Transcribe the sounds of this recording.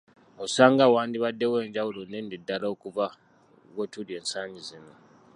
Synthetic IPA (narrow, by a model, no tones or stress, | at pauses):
osaːŋɡawaːndiβadːe̞we̞ːɲɟawulonendidːalaokuva | ɣotulie̞ːnsaːɲizino